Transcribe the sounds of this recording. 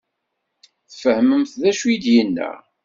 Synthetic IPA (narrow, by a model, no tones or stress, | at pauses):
θfəhməmθðæʃujid̪jənːə̰